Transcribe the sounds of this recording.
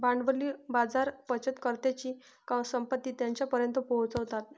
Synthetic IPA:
baɳɖʋəlibad͡zaɾpət͡ɕət̪kəɾt̪jat͡ɕiː | kasəmpət̪ːiːt̪jaɲt͡ɕjapəɾjənt̪əpɔɦt͡səʋt̪at̪̚

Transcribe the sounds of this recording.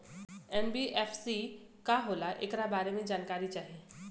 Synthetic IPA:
ɛːnbiːʔɛːfsi | kaɦoːlaʔɪ̰kɾabaːɾemẽd͡ʒaːnkaːɾit͡ʃaːɦieː

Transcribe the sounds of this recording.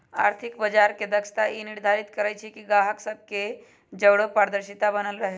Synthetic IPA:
aɾt̪ʰikbəd͡ʒaɾked̪əkst̪aʔiniɾd̪ʱaɾit̪kəɾajt͡ʃʰikiɡaɦəksəb̚ke | d͡ʒəʋɽəpaɾd̪əɾɕit̪abənəlɾəɦe

